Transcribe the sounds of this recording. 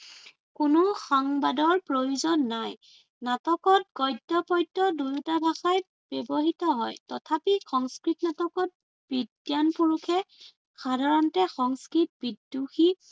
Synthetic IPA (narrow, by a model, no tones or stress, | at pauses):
kʊnʊxɔŋbadɔɹpɹojuzɔnːaj | natɔkɔt̚ɡɔjdɔpɔjtːɔdujutabʱaxaj | b̥ɔbɔɦitɔɦɔjtɔtʰapixɔŋskɹitnatɔkɔt̚ | b̥idjanpuɹukʰɛ | xadʱaɹɔntɛxɔŋskɹit̚bidːuxi